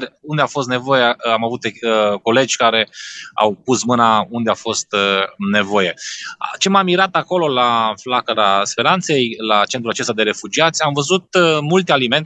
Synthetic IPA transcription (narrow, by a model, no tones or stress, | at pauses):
und̪eawfo̞st̪ne̞vo̞jeamavut̪eko̞le̞d͡ʒʲkaɾe̞a̰wpusmɨnaund̪eawfo̞st̪ne̞vo̞je̞t͡ʃe̞mamːiɾat̪ako̞lo̞laflakəɾaspe̞ɾant̪se̞jlat͡ʃent̪ɾuat͡ʃe̞st̪ad̪e̞ɾe̞fud͡ʒiat̪sʲamvəzut̪mult̪ealime̞nt̪